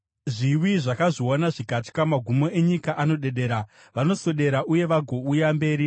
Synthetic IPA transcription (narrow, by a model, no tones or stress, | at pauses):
ʐiwiʐakaʐionaʐikatkamaɡʱumo̞e̞ɲikaʔano̞ɗe̞ɗe̞ːɾa | ʋano̞so̞ɗe̞ɾaʔuje̞ʋaɡʱo̞ujambe̞ːɾi